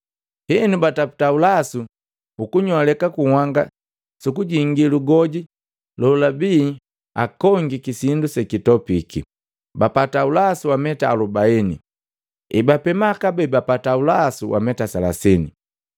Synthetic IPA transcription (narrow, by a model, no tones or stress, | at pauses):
hɛnubatapu̥taulasu | ukuɲɔalɛkakuhwaŋɡa̰ | sukuɟiŋɡiluɡɔɟi | lɔlabiː | a̰kɔŋɡikisindusɛkitɔpiki | bapataulasuwamɛtaːlubaɛnḭ | ɛbapɛmakabɛbapataulasuwʔa̰mɛtasala̰sɛnḭ